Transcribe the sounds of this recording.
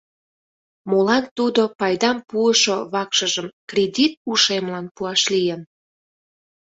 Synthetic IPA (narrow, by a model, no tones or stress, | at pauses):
molɑnt̪ud̪opɑjd̪ɑmpuəʃoβɑkʃəʒəmkrʲedʲit̪̚uʃemlɑnpuɑʃlijən